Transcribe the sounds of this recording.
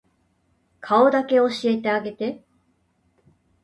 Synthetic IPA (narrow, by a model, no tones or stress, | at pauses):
kʰao̞d̪ake̞o̞ɕie̞t̪e̞aɡe̞t̪e̞